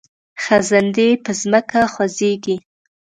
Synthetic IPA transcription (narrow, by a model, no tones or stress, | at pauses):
xazand̪epəzməkaxwazeɡi